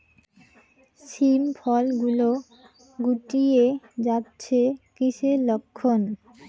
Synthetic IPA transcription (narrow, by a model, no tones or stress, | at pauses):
ʃimfʰɔlɡulo | ɡuʈied͡ʑatːɕʰekiʃelokʰːon